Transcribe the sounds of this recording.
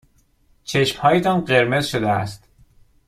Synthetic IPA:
t͡ʃʰe̞ʃmhɒːjet̪ʰɒːnɢe̞ɾme̞zʃod̪eæ̰st̪

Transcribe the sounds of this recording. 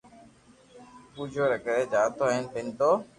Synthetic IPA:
puːd͡ʒʱoːɾəkəɾeːd͡ʒaːt̪oːɦeːnpɪnt̪oː

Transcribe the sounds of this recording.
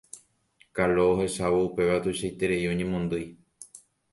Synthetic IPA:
kaloːɦe̞ʃaβoupe̞ʋat̪uʃajt̪e̞ɾejoɲẽmõnd̪ɨj

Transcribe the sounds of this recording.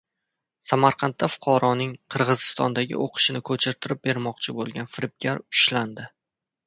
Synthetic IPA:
samaɾqʰɑnt̪ːafʊ̥qʰɒɾɒnɪŋqʰɨɾʁɨzɪst̪ɒ̰nd̪aɡʲɪ̰ʔoqʰɨ̥ʃɪnɪkʰɵt͡ʃʰɪɾt̪ʰɪɾɪp̚be̞ɾmɒqt͡ʃʰɪbolˠɡʲanfɪɾɪp̚ɡʲaɾʊʃland̪ɪ

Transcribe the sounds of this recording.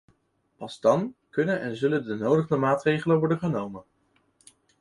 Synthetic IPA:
pɑzdɑnkɵnənɛnzɵləndənowdəχdəmaːtrejχələʋɔɹdənχənowmən

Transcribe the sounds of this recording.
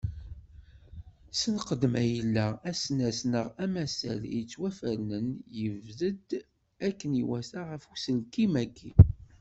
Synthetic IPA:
sənqəd̪mæjəlːææsnæsnəʁæmæsæ̰lit͡sːwæfəɾnənjəvðəd̪ | ækːəniwæsaʁəfusəlkimækːḭ

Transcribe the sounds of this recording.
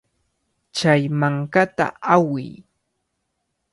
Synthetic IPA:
t͡ʃajmaŋkat̪a̰awɪ̰j

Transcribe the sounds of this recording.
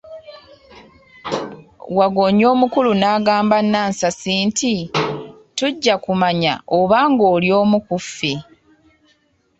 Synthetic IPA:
waɡo̞ɲo̞ːmukulunaːɡaːmbanːaːnsasiːntʰi | tuɟːakumaɲa̰oβaːŋɡo̞ːljo̞ːmukufːe

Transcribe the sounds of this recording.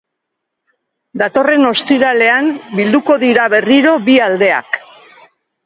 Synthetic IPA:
d̪at̪o̞re̞no̞st̪iɾale̞ambild̪uko̞ðiɾaβe̞riɾo̞βiald̪e̞a̰k

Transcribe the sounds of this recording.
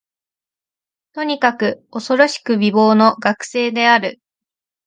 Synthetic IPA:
t̪o̞ɲ̟ikakɯ̟o̞so̞ɾo̞ɕi̥kɯ̟bʲibo̞ːno̞ɡakɯ̟̥se̞ːd̪e̞aɾɯ̟

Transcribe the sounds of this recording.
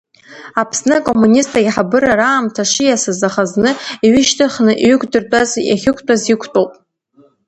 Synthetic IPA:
apʰsnɨkʼo̞mːunʲistʰʼaħabɨɾaɾaːmtʰaʂɪjasazaχaznɨiɥɪʃtʰɨχnɨʔɥʏɡʷʼdɨrtʼazja̰χʲɪkʷʰtʼazikʷʰtʼowpʼ

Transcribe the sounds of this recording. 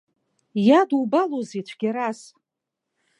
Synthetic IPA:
jadubalozit͡ʃʷʰɡ̥ʲaɾas

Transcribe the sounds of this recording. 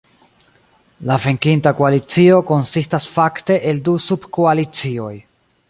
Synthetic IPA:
lave̞ŋkintakoalit͡sio̞ko̞nsistasfakte̞ʔeldusubkoalit͡sio̞j

